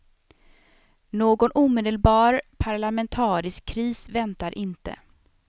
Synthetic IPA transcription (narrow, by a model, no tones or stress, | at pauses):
noːɡɔnʔuːmeːd̪əlbɑːɾpʰaɾɭamɛnt̪ʰɑːɾɪskʰːɾiːsvɛnt̪aɾʔɪnt̪ə̰